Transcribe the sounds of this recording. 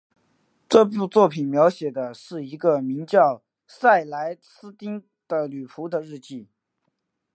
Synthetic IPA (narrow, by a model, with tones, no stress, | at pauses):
ʈ͡ʂɤ˥˧pu˥˧t͡swɔ˥˩pʰi˨˩nmjɑ˧˥ʊɕjɛ˨˩d̪ə˦ʂɻ̩˥˩i˧˥ɡə˧mi˧˥ŋt͡ɕjɑ˥˩ʊ | sa˥˩ɪla˧˥ɪsʰɹ̩˥t̪i˥ŋ | d̪̥ə˨ly˨˩pʰu˧˥d̪ə˧ɻɻ̩˥˧t͡ɕi˥˩